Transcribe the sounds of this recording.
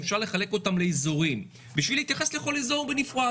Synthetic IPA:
fʃaʁle̞χale̞ko̞tamleizuʁim | biʃvileit̪jaχe̞sle̞χo̞lizuʁbenifʁa

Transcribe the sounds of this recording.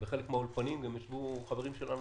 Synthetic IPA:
veχelekmeaolpanimɡamjaʃvuχave̞ʁimʃe̞lanu

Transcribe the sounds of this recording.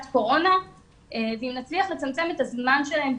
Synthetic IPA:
tko̞ʁo̞na | ʔeveimnat͡sliaχle̞t͡samt͡se̞me̞t̪azmanʃelahe̞mb

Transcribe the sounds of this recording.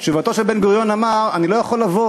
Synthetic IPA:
ʃuvat̪o̞ʃelbe̞nɡuʁjo̞namaʁanilojaχolːavo

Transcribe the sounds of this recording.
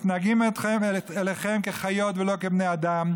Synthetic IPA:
t̪naɡimet̪χemeeleχemkeχajo̞t̪velo̞kebnejad̪am

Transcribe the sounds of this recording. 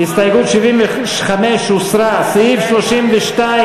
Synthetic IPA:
hist̪ajɡut̪ʃivimve | ʃχameʃusɾasijifʃloʃimveʃta

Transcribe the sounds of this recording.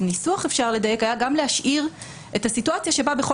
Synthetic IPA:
nisuaχefʃaʁle̞daje̞kajaɡamleaʃʔiʁ | e̞thasituat͡sjaʃe̞babeχo

